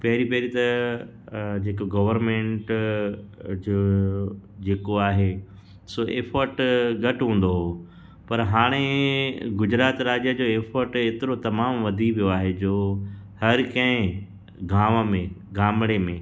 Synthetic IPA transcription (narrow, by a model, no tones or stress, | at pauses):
pɐɦɪɾipɐɦɪɾit̪ɐ | d͡ʑeːkoɡɐʋəɾmẽːɳʈ | d͡ʑoː | d͡ʑeːkoaːɦe | soːʔḛːpʰəɾʈɡɐʈɦũːn̆d̪oɦoː | pɐɾɦaːɽ̃e | ɡʊd͡ʑɾaːt̪ɾaːd͡ʑəd͡ʑoːeːfʰəɾʈeːt̪ɪɾot̪ɐmaːmʋɐd̪ʱiʋijoaːɦed͡ʑoːhɐɾkɐ̃ɦɪ̃ | ɡʱaːʋəmẽɡaːmɽemẽː